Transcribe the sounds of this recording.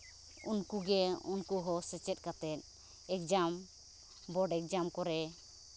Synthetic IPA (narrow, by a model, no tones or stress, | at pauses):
unkuɡɛunkuɦɔsɛt͡ʃɛt̪̚ˀkat̪ɛt̪̚ | ɛk̚d͡ʒam | bɔɖɛk̚d͡ʒamkɔɾɛ